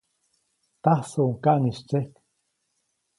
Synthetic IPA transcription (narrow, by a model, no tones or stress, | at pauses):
t̪ahsoʔŋkaʔniʃt͡sehk